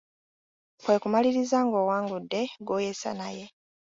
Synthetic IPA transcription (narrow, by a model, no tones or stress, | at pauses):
kwe̞ːkumaliɾizaŋɡo̞ːwaːŋɡudːe̞ɡoːjesa̰naje̞